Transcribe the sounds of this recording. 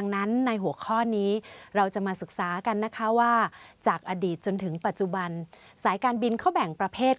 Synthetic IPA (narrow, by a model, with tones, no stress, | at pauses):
ŋna˦˥nːa˧jɦu˩˦əkʰɔː˥˩niː˦˥ɾa˧wt͡ɕa˨˩maː˧sɯ˨˩k̚saː˩˦ka˧nːa˦˥kʰa˦˥waː˥˩t͡ɕaː˨˩k̚ʔaː˧diː˨˩t̪̚t͡ɕo˧nt̪ʰɯ˩˦ŋpa˨˩t̪̚t͡ɕu˧˩ba˧n | saː˩˦jkaː˧nbi˧nkʰa˥˩wbɛ˨˩ŋpɾa˧pʰeː˥˩t̪̚